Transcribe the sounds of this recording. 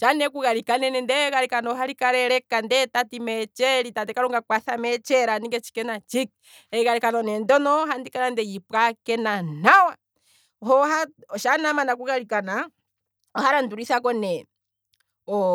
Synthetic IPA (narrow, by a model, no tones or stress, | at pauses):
ʃanɛkuɣaɾikanɛnɛndɛɣaɾikanɔɦaɾikaɾɛɾɛkandɛtatimɛt͡ʃɛɾitadɛkaɾɔŋɡakwaθamɛt͡ʃɛɾaniŋɡɛt͡ʃi̥kɛnat͡ʃik̚ | ɛɣaɾikanɔnɛndɔnɔɦandikanandɛjipkakɛnanawa | hɔhaɔʃanamanakuɣaɾikana | ɔhaɾanduɾiθakɔnɛ | ɔ